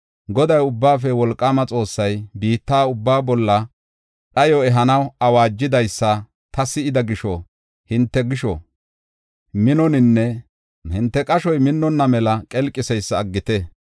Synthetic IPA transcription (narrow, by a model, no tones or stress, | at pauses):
ɡɔd̪ɐjʊbːaːfɛwɔlkʼːaːmɐt͡sʼo̞ːsːɐjbiːt̪ːaːʊbːaːbɔlːɐ | ɗɐjɔɛɦɐnɐwɐwaːd͡ʒːɪd̪ɐjsːɐ | t̪ɐsɪɪd̪ɐɡɪʃɔ | hɪnt̪ːɛɡɪʃɔ̰ | mɪnɔnɪnːɛ | hɪnt̪ːɛkʼɐʃɔjmɪnːɔnːɐmɛlɐkʼɛlkʼːɪsɛjsːɐːɡːɪt̪ɛ